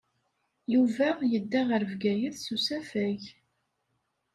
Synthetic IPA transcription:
juvæjəd̪ːæʁəɾvɡæjəθsusæfæʝ

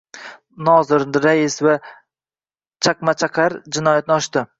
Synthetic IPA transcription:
nɒzɪɾd̪ɪɾajɪsva | t͡ʃʰaqmat͡ʃʰaqʰaɾd͡ʒɪnɒjat̪̚nɪɒʃt̪ɪ

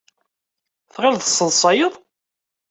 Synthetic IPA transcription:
θʁəlðə̥sˤːəðˤsˤɑjəðˤ

